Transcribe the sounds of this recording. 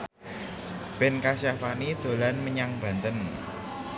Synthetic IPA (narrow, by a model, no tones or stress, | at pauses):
b̥ɛnkasjafanid̪̥o̤lanməɲaŋb̥ä̤nt̪ən